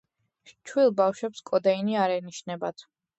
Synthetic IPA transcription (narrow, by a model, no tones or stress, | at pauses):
t͡ʃʰwilˠbafʃwɛpskʼɔd̪ɛiniaɾɛniʃnɛbat̪ʰ